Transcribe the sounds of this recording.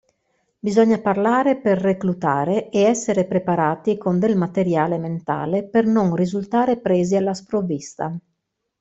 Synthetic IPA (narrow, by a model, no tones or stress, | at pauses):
bizɔɲːaparlaːɾeperːeklut̪aːɾeeɛsːeɾepɾepaɾaːt̪ikond̪elmat̪eɾjaːlement̪a̰ːlepernoŋrizult̪aːɾepɾeːzialːaspɾovːist̪a̰